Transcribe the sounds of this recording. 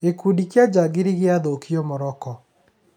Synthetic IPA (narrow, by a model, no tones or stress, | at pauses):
ekudikjad͡ʒaɡeɾiɣeaðokiɔmɔɾɔkɔ